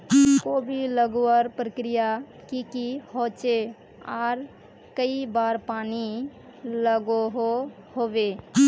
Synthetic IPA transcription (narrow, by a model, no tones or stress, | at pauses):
kobʱiləɡoəɾpɾəkɾija | kikihot͡ʃe | aːɾ | kəibaɾpani | ləɡoɦo | hobe